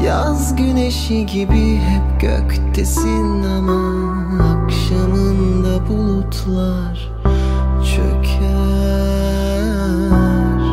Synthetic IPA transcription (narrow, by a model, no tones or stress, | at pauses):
ja | zɟyneʃiɟibiɦɛp̚ɟø̰kʲt̪ʰːesinːama | akʃanɯnd̪abulˠut̪ʰlˠa | ɾ̥ | t͡ʃʰø̰cʰɛ | ɾ̥